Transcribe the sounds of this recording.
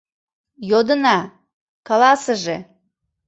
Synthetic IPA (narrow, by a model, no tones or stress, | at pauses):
jod̪ənɑ | kalɑsəʒe